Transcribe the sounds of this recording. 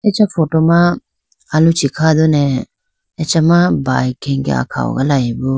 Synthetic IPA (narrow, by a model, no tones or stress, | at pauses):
ɛt͡ʃapʰɔtɔmãː | lut͡ʃʰikʰad̪ɔnɛ | ɛt͡ʃamabajkʰɛŋɡɛ̰a̰kʰa̰ɔ̰ɡa̰laibɔ